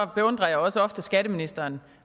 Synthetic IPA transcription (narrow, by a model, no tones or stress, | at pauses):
b̥e̝ɔ̽nd̥ʁɐjäɒ̽səɒ̽fd̥əsɡ̥æɾ̥əminisd̥ɐːn